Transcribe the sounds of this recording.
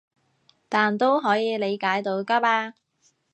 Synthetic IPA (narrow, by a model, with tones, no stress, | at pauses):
t̪aː˨˩nt̪o˥wɦɔː˨˥jiː˨˧le˨˧jkaː˨˥jt̪o˧wkaː˥p̚aː˧